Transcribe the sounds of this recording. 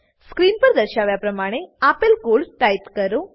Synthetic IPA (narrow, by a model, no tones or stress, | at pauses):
skɾiːnpəɾd̪əɾɕaʋjapɾəmaɽ̃eapəlkoɭʈaipkəɾo